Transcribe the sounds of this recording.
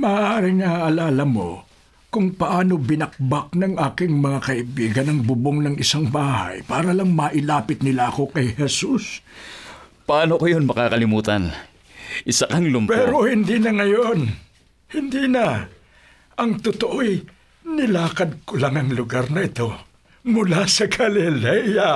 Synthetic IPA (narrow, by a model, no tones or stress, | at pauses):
mɐːʔaːɾɪŋaʔɐlaːlɐmo̰ | kʊŋpɐʔaːno̞bɪnɐk̚bak̚nɐŋʔaːkɪŋmɐŋakɐʔɪbiːɡɐnɐŋbʊboŋnɐŋɪsaŋbaːha̰jpaːɾɐlɐŋmɐʔɪlaːpɪt̪̚nɪlaɐko̞kɐjhɛsus | pɐʔaːnokojonmɐkakɐlɪmuːt̪an | ʔɪsɐkɐŋlʊmpɛːɾo̞hɪnd̪iːnɐŋɐjon | hɪnd̪iːnɐ | ʔɐŋt̪ʊt̪oʔoj | nɪlaːkɐd̪̚kʊlɐŋɐŋlʊɡaɾnɐʔɪt̪o̞ | mʊlasɐɡɐlɪlɛjɐ